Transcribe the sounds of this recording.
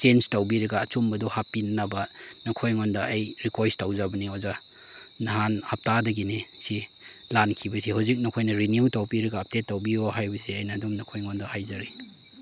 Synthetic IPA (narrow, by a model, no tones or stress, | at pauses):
t͡ʃend͡ʒtawbiɾɐɡɐːt͡ʃumbɐduhapːinnɐbɐnɐkʰojŋondɐajɾikojstawzabɐnioza | naɦanhap̚tadɐɡini | si | lankʰibɐsihawzik̚nɐkʰojnɐɾiniutawpiɾɐɡɐːp̚detːawbioɦajbɐsiɐjnɐːdumnɐkʰojŋondɐhajzaɾi